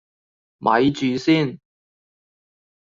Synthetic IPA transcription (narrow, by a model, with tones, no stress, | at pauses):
mʔɐ̰˨˧˥jt͡ʃyː˨siː˥˩n